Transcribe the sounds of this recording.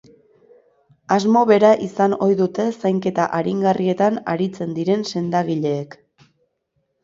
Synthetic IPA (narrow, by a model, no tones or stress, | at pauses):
azmo̞βe̞ɾaʔisano̞jðut̪e̞sajŋke̞t̪aʔaɾiŋɡarʔie̞t̪ana̰ɾit͡se̞nd̪iɾe̞nse̞nd̪aɣiʎe̞ːk